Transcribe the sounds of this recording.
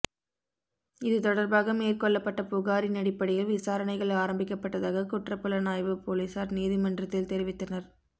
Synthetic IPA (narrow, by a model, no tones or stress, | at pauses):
ɪðɯt̪ɔɽɐɾbaːɣɐmeːrkɔɭːɐpːɐʈːɐpʊɣaːɾinɐɽɪpːɐɽɪjɪlʋɪsaːɾɐnɐɪɣɐɭaːɾɐmbɪkːɐpːɐʈːɐðaːɣɐkʊʈrɐpːɯlɐnaːjʋɯpoːlisaːɾniːðɪmɐndrɐt̪ːɪlt̪ɛɾɪʋɪt̪ːɐnɐɾ